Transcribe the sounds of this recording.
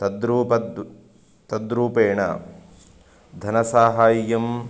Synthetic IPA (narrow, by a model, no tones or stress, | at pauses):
t̪ɐd̪ɾuːpɐd̪ | t̪ɐd̪ɾuːpeːɳɐ̰ | d̪ʱɐnɐsaːɦaːjjɐm